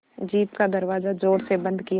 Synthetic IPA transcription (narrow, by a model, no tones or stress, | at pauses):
d͡ʒiːt̪kad̪ɐɾʋaːzad͡ʒoːɾsebɐ̃nd̪ki